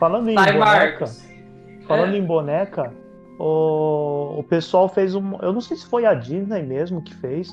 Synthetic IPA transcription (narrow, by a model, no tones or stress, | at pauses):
falɐ̃nd̪ʊẽabaɛkkɐ | falɐ̃nd̪ʊẽbonɛkɐ | ʊː | pesuawfejzũmɐewnɐ̃w̃sejsɪ̥fojad͡ʒĩt̪ɐimezmʊʊkɪ̥fejs